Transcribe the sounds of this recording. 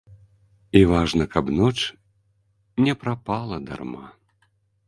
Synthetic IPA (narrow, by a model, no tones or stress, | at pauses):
ivaʐnɐkabnɔt͡ʂ | nʲɛpɾapalˠɐd̪a̰rma̰